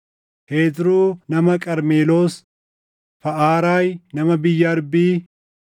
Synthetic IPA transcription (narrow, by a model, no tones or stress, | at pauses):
pe̞ːt̪ɾuːnɐmɐkʼɐɾmeːlo̞ːs | fɐʔaːɾaːjnɐmɐbɪjːɐɐɾbiː